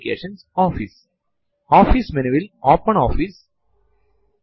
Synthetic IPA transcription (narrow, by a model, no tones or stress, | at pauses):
kḛːʃə̃nsɔːfis | ɔːfismẽnʋilɔːpə̃ɳɔːfis